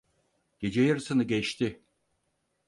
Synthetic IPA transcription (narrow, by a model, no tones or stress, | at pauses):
ɟ̥ed͡ʒejiɾsɯnɯɡɛt͡ʃt̪ʰɪ